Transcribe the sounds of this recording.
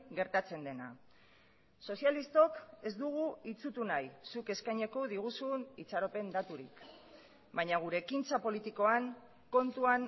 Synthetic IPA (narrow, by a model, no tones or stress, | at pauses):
ɡe̞ɾt̪at͡se̞nd̪e̞na̰ | so̞sjalist̪o̞ke̞zd̪uɣ̞uit͡sut̪unajsuke̞skajɲeko̞ðiɣ̞usunit͡saɾo̞pe̞nd̪at̪uɾḭk | baɲaɣ̞uɾe̞kint͡sapo̞lit̪iko̞aŋ | ko̞nt̪uan